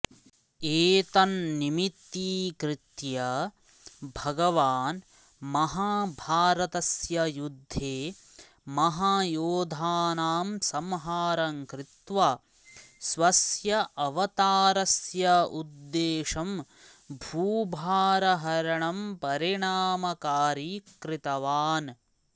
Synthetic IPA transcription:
eːt̪ɐnːimit̪ːiːkɾɪt̪jɐ | bʱɐɡɐʋaːn | mɐɦaːbʱaːɾɐt̪ɐsjɐjud̪ʱːeː | mɐɦaːjoːd̪ʱaːnaːmsɐmɦaːɾɐŋkɾɪt̪ʋɐ | sʋɐsjɐʔɐʋɐt̪aːɾɐsjɐud̪ːeːʂɐm | bʱuːbʱaːɾɐɦɐɾɐɳɐmpɐɾiɳaːmɐkaːɾikɾit̪ɐʋaːn

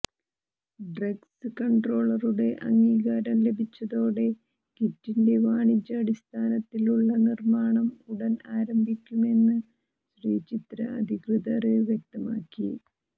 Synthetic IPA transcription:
ɖrɐɡsɨkɐɳɖro̞ːɭɐruɽe̞ʔɐ̰ŋːiːɣaːɾɐmle̞bʱit͡ɕːɐðo̞ːɽe̞ | kitːinde̞ʋaːɳit͡ɕːɐːɽist̪ʰaːnɐt̪ːiluɭːɐnirmaːɳɐmuɽɐnaːɾɐmbʱikʲːume̞nːɨ | ɕriːt͡ɕit̪ɾɐ̰ɐ̰d̪ʱikrɨðɐrɨʋjek̚t̪ɐmaːkːi

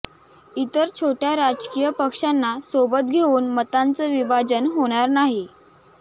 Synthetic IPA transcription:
it̪əɾt͡ɕʰoʈjaɾad͡zkijəpəkʂanːasobət̪ɡʱeuːnmət̪ant͡səʋibad͡zənɦoɽ̃aɾnaɦi

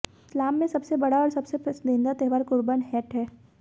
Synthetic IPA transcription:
ɪslaːmːẽsɐbsebɐɽaɔːɾsɐbsepɐsd̪ẽːnd̪at̪eɦʋaːɾkʊɾbənɦɛːʈɦɛː

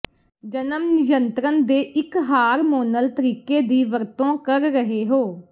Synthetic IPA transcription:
d͡ʒənəmnɪjənt̪ɾənd̪eːʔɪkɦaːɾmoːnəlt̪əɾiːkeːd̪iːʋəɾt̪õːkəɾːəɦeːɦoː

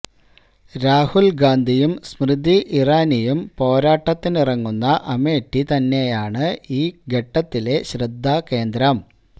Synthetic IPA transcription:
ɾaːhulɡaːnd̪ʱijumsmrɨd̪iʔiraːnijumpo̞ːɾaːʈːɐt̪ːinirɐŋːunːɐʔɐme̞ːʈːit̪ɐnːe̞jaːɳɨiːɡeʈːɐt̪ːile̞ɕrɐd̪ʱːake̞ːnd̪ɾɐm

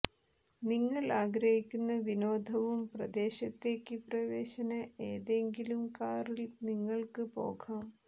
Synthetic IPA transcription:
niŋːɐɭaːɡɾɐhikʲːunːɐʋino̞ːd̪ʱɐʋumprɐd̪e̞ːɕɐt̪ːe̞ːkːɨprɐʋe̞ːɕɐnɐeːðe̞ŋɡilumkaːrilniŋːɐɭkɨpo̞̰ːɡʰaːm

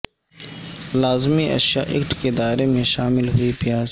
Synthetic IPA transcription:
laːzmiʔɐ̰ʃja̰ːʔɪ̰kʈked̪aːɾemẽʃaːmɪlɦʊipɪjaːz

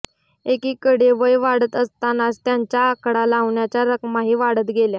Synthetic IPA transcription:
ekiːkəɽeʋəjʋaɽət̪əst̪anast̪jaɲt͡ɕjaːkɽalaʋɳjat͡ɕjaɾəkmaɦiːʋaɽət̪ɡelja

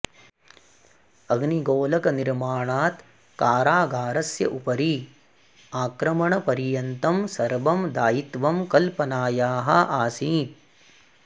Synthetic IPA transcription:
ɐɡniɡoːlɐkɐniɾmaːɳaːt̪ | kaːɾaːɡaːɾɐsjɐ̰ʔupɐɾi | aːkɾɐmɐɳɐpɐɾijɐnt̪ɐmsɐɾbɐmd̪aːjit̪ʋɐmkɐlpɐnaːjaːɦɐʔaːsiː

